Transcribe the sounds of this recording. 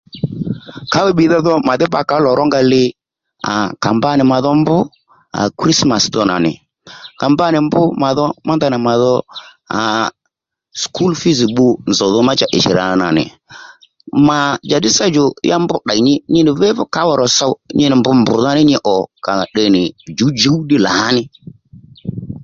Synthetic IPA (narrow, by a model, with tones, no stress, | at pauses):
ka˦wɛ˦ɓi˨ða˦ðɔ˦ma˨ðɪ˦ba˨ka˨˦lɔ˨ɾɔ˦ŋɡa˧lɪ˦ | a̰˨ka̰˨mba˦nɪ˨ma˨ðɔ˦mbʊ˦ | a̰˨kɾi˦sma˨sðɔ˦na̰˨nɪ̰˨ | ka˨mba˦nɪ˨mbʊ˦ma˨ðɔ˦ma˦nd̪a˨nɪ˨ma˨ðɔ˦ | a̰˨ | skʰu˦lfi˦zi˨ɓu˧nzɔ˨ðɔ˦ma˦t͡ʃa˨ʔɪ˨ʃɪ˨ɾa̰˨a˨na̰˨nɪ̰˨ | ma˨d͡ʒa˨ɗɪ˦sa˦d͡ʒɔ˨ja˦mbʊ˦ɗa˨ɲɪ˦ɲɪ˦nɪ˨vɛ˦vʊ˦ka˨˦wɔ˨ɾɔ˨sa˦ɲɪ˦nɪ˨mbʊ˧˦mbʊ˨ða˦nɪ˦ɲɪ˧˦ʔɔ˨ka˨ɗɛ˨nɪ˨d͡ʒu˨˦d͡ʒu˨˦ɗɪ˦la˨˦nɪ˦